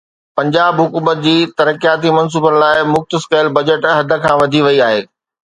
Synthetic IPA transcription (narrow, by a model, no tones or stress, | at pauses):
pɐ̃ɲd͡ʑaːbɦʊkuːmət̪̚d͡ʑiːt̪ɐɾəkijaːt̪imɐns̬uːbən̆laːɪmʊxt̪əskɐɪlbɐd͡ʑəʈɦɐd̪ʱə̆kʰãːʋɐd̪ʱiʋɐiaːɦeː